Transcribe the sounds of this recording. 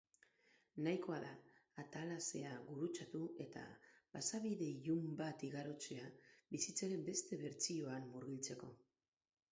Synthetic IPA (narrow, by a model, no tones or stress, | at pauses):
najko̞aðaːt̪alase̞aɣuɾut͡sat̪ue̞t̪a̰basaβiðe̞iʝumbat̪iɣaɾo̞t͡seabisit͡saɾe̞mbe̞st̪e̞βe̞ɾt͡sio̞amːuɾɣilt͡se̞ko̞